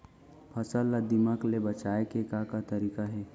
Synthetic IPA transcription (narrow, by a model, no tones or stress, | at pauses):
pʰɐsəlːad̪iməklebət͡ʃaːekekakat̪ɐɾiːkaɦɛː